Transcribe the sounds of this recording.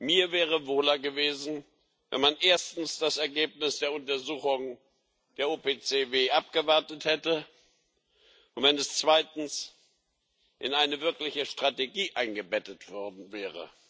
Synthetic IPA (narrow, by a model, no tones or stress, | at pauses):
miːɐvɛːʁ̞əvoːlɐɡəveːzn̩ | vɛ̰nmanʔeːɐstn̩sd̥asɛɐɡeːp̚nɪsd̥eːɐʊntɐzuːxʊŋ | d̥eːɐoːpeːt͡seːveːʔap̚ɡ̥əvaɐtəthɛtə | ʔʊntv̥ɛnɛst͡sv̥aɪtn̩s | ʔɪnaɪnəvɪɐklɪçəʃtʁ̥ateɡiːʔaɪnɡəbɛtətv̥ɔɐdn̩vɛːʁə̰